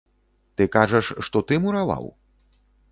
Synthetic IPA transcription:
t̪ɨkaʐɐʂːt̪ɔt̪ɨmuɾava̰w

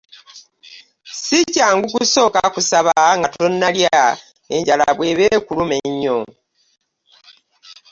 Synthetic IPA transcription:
sicaːŋɡukuso̞ːkakusaβaŋɡato̞nːalja | e̞ɲɟala̰βwe̞βeːkulumeɲːo

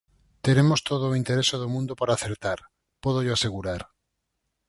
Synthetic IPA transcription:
t̪eɾemost̪oð̞oint̪eɾesoð̞omũnd̪opaɾaːθeɾt̪aɾ | poð̞oʎoaseɣuɾaɾ

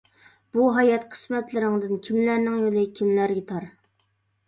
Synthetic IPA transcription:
b̥uɦɑjɛt̪qʰə̥smɛt̪lɪɾɪŋd̪ɪnkʲʰimlæɾnɪŋjolˠɨkʲʰimlæɾɡʲɛt̪ʰɑɾ

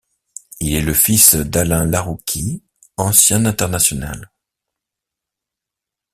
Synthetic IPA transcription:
ilɛləfisd̪alɛ̃laʁukʲʰi | ɑ̃sjɛ̃nɛ̃t̪ɛʁnasjɔna̰l

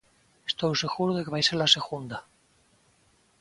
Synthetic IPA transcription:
est̪owse̞ɣuɾuðekeajseɾlase̞ɣund̪a

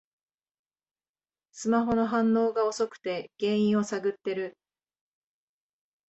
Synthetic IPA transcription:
sɨmaɦo̞no̞ɦãnːo̞ːɡao̞so̞kɯ̟̥t̪e̞ɡ̥ẽ̞ɰ̃ĩɰ̃o̞saɡɯ̟t̪ːe̞ɾɯ̟

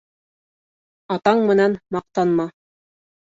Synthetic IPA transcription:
ɑt̪ɑɴmɘ̆nænmɑq̚t̪ɑnmɑ

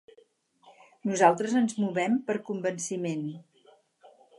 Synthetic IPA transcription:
nuzalˠt̪ɾəzənzmuβɛmpəɾkumbənsimen

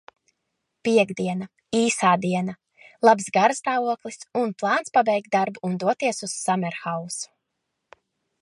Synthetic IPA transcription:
piɛɡd̪iɛna | iːsaːd̪iɛna | lˠabzɡaɾst̪aːvuɔklˠisunplˠɑːnt̪spabɛjkt̪̚d̪aɾbuːnd̪uɔt̪iɛsuz̥ːamɛɾxawsu̥

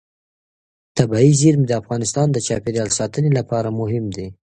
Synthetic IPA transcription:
t̪abɑiziɾmd̪əafɣɑnɪst̪ɑnd̪ət͡ʃɑpeɾjɑlsɑt̪ənelapɑɾamʊɦɪmd̪e

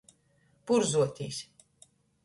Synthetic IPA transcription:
puɾzuɔt̪ʲiːsʲ

